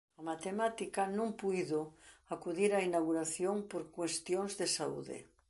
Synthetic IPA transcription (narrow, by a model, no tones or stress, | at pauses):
amat̪emat̪ikanõŋpujðoakuðiɾainawɣuɾaθjoŋpoɾkwest̪jonzðesaṵðḛ